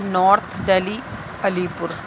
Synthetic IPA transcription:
nɔːɾt̪ʰɖɐli | ɐlipʊɾ

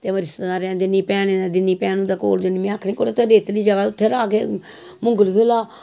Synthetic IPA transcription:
t̪eːməɾɪst̪anaːɾɛ̃ːnd̪eniːpɛːneːnaːd̪ɪniːpɛːnũːd̪aːko̰ːld͡ʒənimĩaːkʰniːkoːɽeːt̪oːɾeːt̪liːd͡ʒəɡaːʊt̪ʰːeːɾaːkḛː | mʊ̃ŋɡəlɡelaː

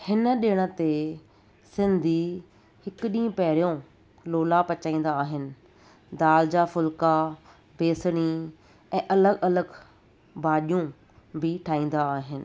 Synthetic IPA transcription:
hɪnə̆ɗɪɽ̃ə̆t̪e | sɪ̃nd̪ʱi | hɪkʊɗĩːə̃pɛɦɪɾijõ | loːlapɐt͡ɕaːĩːnd̪aːɦɪnɪ̆ | d̪aːld͡ʑafʊlka | beːsɽ̃i | ɛ̃ːʔɐləɡɐləɡ | bʱaːɗijũ | bɪʈʰaːĩːn̆d̪aːɦɪnɪ̆

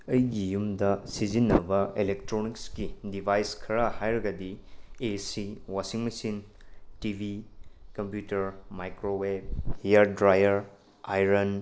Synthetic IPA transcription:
ɐjɡijumdɐsizinːɐbɐelek̚tɾonikskidibʱajskʰɐɾɐhajɾɐɡɐdiesiwasiŋmɐsin | tibʱikɐmpjutɐɾmajkɾoweb̚hijɐɾdɾajɐɾ | ajɾɐn

